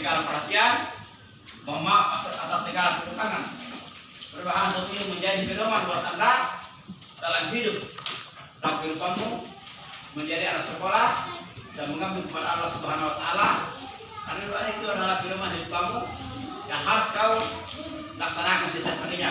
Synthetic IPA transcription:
sɛɡalapəɾɦat̪ian | bɔmapasa̰t̪asːɛɡalapɛdut̪aŋan | bəɾbaɦasat̪imumɛɲd͡ʒaidipɛnɔmanbuat̪anda | dalamɦidup̚ | dalap̚ɡiɾupamu | mɛɲd͡ʒadiat̪asɛkɔladaməŋɡambiŋkəpadaːlːahsubaɦanwat̪aːla | karnaduaʔit̪uadalaɡilɔmanɦiɾupamudanɦausk̪au | laksanakansit̪ɛpanɛɲa

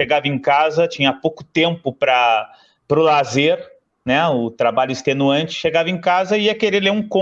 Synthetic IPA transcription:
ʃeɡavɐẽkazɐt͡ʃĩɲɐpowkʊ̥t̪ẽmpʊpɾɐ | pɾʊlazeɾ | nɛʊt̪ɾabaʎʊist̪enuɐ̃nt͡ʃɪ̥ʃeɡavɐẽj̃kazɐiɐkeɾeleũkõ

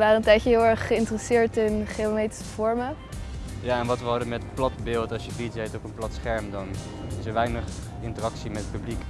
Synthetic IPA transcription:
ʋaːɾəəntɛjçəɦɪlˠɛɹχːəɪntərəsɪːɹtɪnχeomejti̥sə̥v̥ɔɹmə | jaːɛnʋɑtʋəɦɑdənmɛtplɑtbɪːlˠtɑlsʃjəbitetopənplɑtsχɛɹmdɑn | ɪsəɹʋɛjnəχ | ɪntərɑksimɛtəpyblik

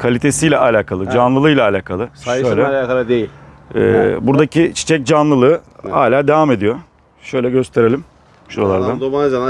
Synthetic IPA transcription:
kʰalʲit̪ʰe̞sijlʲɛʔalʲaːkʰalˠɯd͡ʒanlˠɯlˠɯːjlʲˠaːlʲaːkʰalˠɯaʃøjlʲɛaːkalˠɯd̪ejilʲɛ̰ːbuɾd̪acit͡ʃʰi̥t͡ʃʰɛc̚d͡ʒanlˠɯlˠɯːha̰ːlʲaːd̪e̞vaːme̞d̪ijo̞ | ʃø̞jlʲɛɟø̞st̪ʰe̞ɾe̞lʲim | ʃualˠaɾd̪and̪omad͡ʒana

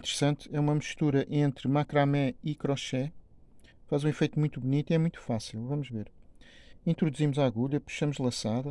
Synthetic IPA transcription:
ĩt̪ɨɾsɐ̃nt̪ɛumɐmuʃt̪uɾɐʔẽnt̪ɾmakɾamɛikɾɔʃɛ | fazũifejt̪umũj̃t̪uβunit̪iɛmũj̃t̪u̥fasilˠvɐmuʒveɾ | ĩnt̪ɾuðuzimuzaɣuʎɐpu̥ʃɐmuʒlˠɐ̃saðɐ

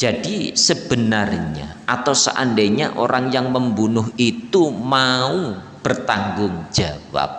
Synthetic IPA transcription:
d͡ʒad̥isəb̥ənarɲa̰ʔat̪awsə̰ʔa̰ndeɲa̰ʔoɾaŋjaŋməmbunʊɦit̪umau | b̥ərt̪aŋɡʊŋd͡ʒ̥awa̰p̚

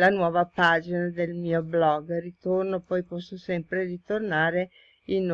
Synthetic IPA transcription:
lanwɔːvapad͡ʒinad̪elmiːoblɔɡrit̪ornopɔjpɔsːosɛmpɾerit̪ornaːɾe | in

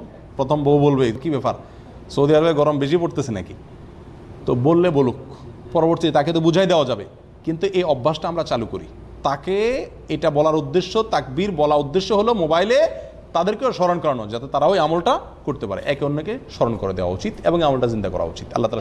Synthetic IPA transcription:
pɾot̪ʰomboobolbekibɛpa̰ɾ | sowd̪iaɾabeɡɔɾombeʃ̬ipoʈt̪esʰena̰ki | t̪obolːebolukpɔɾoboɾʈt̪iet̪aket̪̬obud͡ʑʱajd̪eoad͡ʑabe | kint̪uʔeɔbʱːaʃʈaamɾat͡ɕalukoɾḭ | t̪ake | eʈabɔlaɾud̪ːeʃːot̪ak̚biɾbɔlaud̪ːeʃːoɦolomobajle | t̪ad̪eɾkeoʃɔɾonkɔɾanɔd͡ʑat̪et̪aɾaoiamolʈa | koʈt̪epa̰ɾḛʔɛkeonːekeʃɔɾonkoɾed̪eowa̰ṵt͡ɕit̪eboŋeamolʈazind̪akɔ̰ɾa̰ṵt͡ɕit̪a̰lːat̪al

